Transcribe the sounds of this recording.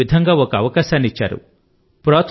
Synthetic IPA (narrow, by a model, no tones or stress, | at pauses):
id̪ʱɐŋɡaːokɐɐʋɐkaːʃaːnit͡ʃːa̰ːɾṵ | pɾɔːt̪